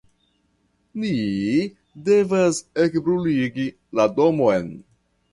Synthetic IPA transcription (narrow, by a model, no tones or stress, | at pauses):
ni | de̞vasekbɾuliɡi | lado̞mojn